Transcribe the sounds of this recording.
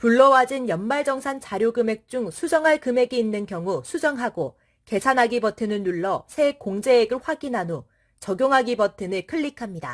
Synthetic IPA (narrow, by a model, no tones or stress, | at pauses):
puɭːʌwad͡ʑinjʌnmaɭd͡ʑʌŋsʰant͡ɕaɾjoɡɯme̞k̚t͡ɕ͈uŋsʰud͡ʑʌŋɦaɭkɯme̞ɡiinːɯnkjʌŋusʰud͡ʑʌŋɦaɡo | ke̞sʰanɦaɡibʌtʰɯnɯnːuɭːʌsʰe̞koŋd͡ʑe̞ːɡɯɭɸwaɡinɦano | t͡ɕʌɡjoŋɦaɡibʌtʰɯnɯɭkʰɯʎːikʰamɲida